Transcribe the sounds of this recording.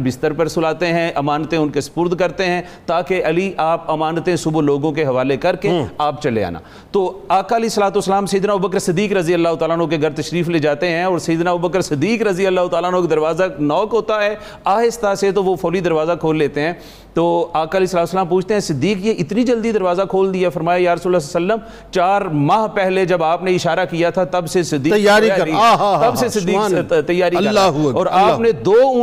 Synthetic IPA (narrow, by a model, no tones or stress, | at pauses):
bɪst̪əɾpəɾsʊlaːt̪eɦɛ̃ʔɐmaːnt̪ẽʊnkesɐ̥pʊɾd̪kɐɾt̪eɦɛ̃ː | t̪aːkeʔɐliʔaːpɐmaːnt̪ẽsʊbloːɡõk̬eɦɐʋaːlekɐɾkeaːpt͡ʃɐlḛa̰ːna̰ː | t̪oːaːkaliːsəlaːt̪uːəsːəlaːmsɐjd̪naːbubəkɾsɪd̪ːiːkɾɐzijəlːaːɦʊt̪aːlaːnõkeɡɐɾt̪ɐʃɾiːfleːd͡ʒaːt̪eɦɛ̃ɔːɾsɐjːd̪naːbubəkɾsɪd̪ːiːkɾɐzijəlːaːɦʊt̪aːlaːnõked̪ɐɾʋaːzanɔːkɦoːt̪aɦɛː | aːɦɪst̪aset̪oʋofɔːlid̪ɐɾʋaːzakʰoːlːeːt̪eɦɛ̃ː | t̪oːaːkaliːsəlaːt̪uslaːmpuːt͡ʃʰt̪eɦɛ̃sɪd̪ːiːkjeʔɪt̪nid͡ʒəld̪id̪ɐɾʋaːzakʰoːld̪iaɦɛfɐɾmaːjajaːɾəsuːɾlːasasəlːəm | t͡ʃaːɾmaːɦpɛɦled͡ʒɐbaːpneɪʃaːɾakijat̪ʰat̪ɐbsesɪd̪ːiːjaːɾiat̪ɐbsesɪːiːt̪ɐjːaːɾilːaɦɔːɾaːnẽd̪oː